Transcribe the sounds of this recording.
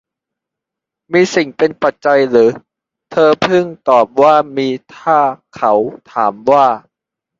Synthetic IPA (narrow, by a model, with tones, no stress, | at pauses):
miː˧si˨˩ŋpe˧npa˨˩t̪̚t͡ɕa˧jɾɯː˩˦ | t̪ʰɤː˧pʰɯ˥˩ŋt̪ɔː˨˩p̚waː˥˩miː˧t̪ʰaː˥˩kʰa˩˦wt̪ʰaː˩˦mwaː˥˩